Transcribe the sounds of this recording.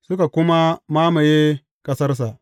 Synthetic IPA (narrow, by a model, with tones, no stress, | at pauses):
sʊ˦ka˨kʊ˦ma˦maː˦ma˨je˦ | kɐ˦sɐ˦rs̬a˨ʔ